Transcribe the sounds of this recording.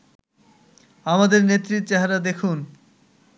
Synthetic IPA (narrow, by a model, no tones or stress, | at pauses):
amad̪eɾnet̪ːɾit̪t͡ɕɛɦaɾad̪ekʰun